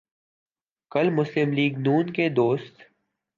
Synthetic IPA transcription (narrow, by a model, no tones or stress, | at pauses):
kəlmʊslɪmliːɡnuːnked̪oːst̪